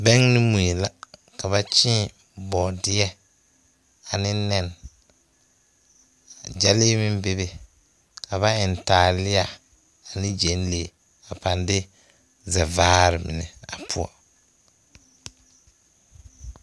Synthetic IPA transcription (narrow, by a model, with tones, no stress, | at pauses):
bɛ˦ŋnɪ˦mu˨je˨la˦ | ka˨βa˦t͡ʃɪ̃˦˨ | bɔː˨dɪ˦ɛ˦ | a˨nɪ˦nɛ˨n˨ | d͡ʒɛ˦lɪː˦mɪ˦be˦be˦ | ka˨ba˦ɪ˨n˨taː˨lɪ˦ja˨ | a˨nɪ˦d͡ʒɛ˨˦n˦leː˦˨ | a˨pa˨ndɪ˦ | zɛ˨vaː˦ɾɪ˨mɪ̰˨nɛ̰˨a̰˨pʰʊ˦a̰˨